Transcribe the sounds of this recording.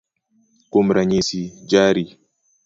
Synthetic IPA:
kumɾaɲisid͡ʒaːɾi

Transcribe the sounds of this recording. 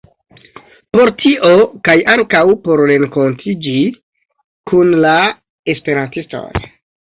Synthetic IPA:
po̞ɾtʰiʔo̞kajaŋkawpo̞ɾːe̞ŋko̞ntʰid͡ʒi | kunla | e̞spe̞ɾantisto̞̰j

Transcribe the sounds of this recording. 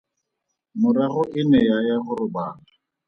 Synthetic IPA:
mʊɾaχʊʔɪnɛjajaχʊrʊbaːla

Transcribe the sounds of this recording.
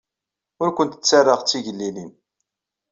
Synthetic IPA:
ʊɾkʷənt̪ə̥t͡sːarːəʁt͡sːiʝəlːilin

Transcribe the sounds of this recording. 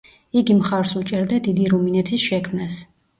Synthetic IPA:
iɡimχaɾsut͡ʃʼɛɾd̪ad̪id̪iɾuminɛt̪ʰisʃɛkʰmnas

